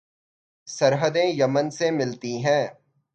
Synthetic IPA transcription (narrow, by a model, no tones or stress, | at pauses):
sɐɾɦəd̪ẽjɐmənsemɪlt̪iɦɛ̃ː